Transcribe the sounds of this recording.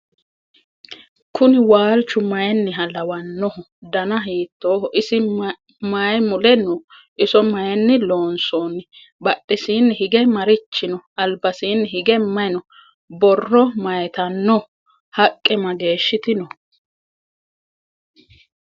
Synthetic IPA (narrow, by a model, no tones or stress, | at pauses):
kʰʊnɪwaːlt͡ʃːʊmɐjɛnːɪɦɐlɐwɐnːɔhɔ | d̪ɐnɐɦiːt̪ːoːʔɪsɪ | majmʊlɛnɔ | ʔɪsɔmɐjɛnːɪlo̞ːnsoːnːɪ | bɐɗːɪsiːnːɪhɪɡɛmɐɾɪt͡ʃːɪnɔɐlbɐsiːnːɪɦɪɡɛmɐjnɔ | bɔrːɔmɐjɛt̪ɐnːɔ | hɐkʼːɛmɐɡe̞ːʃːɪt̪ɪnɔ